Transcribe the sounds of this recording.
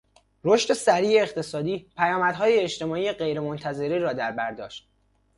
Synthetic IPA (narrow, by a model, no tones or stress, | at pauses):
ɾoʃt̪e̞sæɾiːeːχt̪ʰe̞sɒːd̪iːpʰæjɒːmæd̪̥ɦɒːjeːt͡ʃt̪e̞mɒːiːjeɢe̞jɾe̞mont̪ʰæzeɾiːɾɒːd̪æɾbæɾd̪ɒ̰ːʃt̪̚